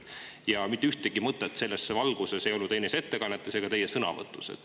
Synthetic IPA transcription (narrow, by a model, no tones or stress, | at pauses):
jɑmit̪ːyht̪eɡ̥imɤt̪ːˑet̪ːˑse̞lːesevɑlɡ̥use̞sejo̞lnːud̪e̞ːnese̞t̪ːe̞kɑnːet̪ːˑese̞ɡɑt̪e̞jesɤnɑ̰vɤ̰t̪ːˑusḛt̪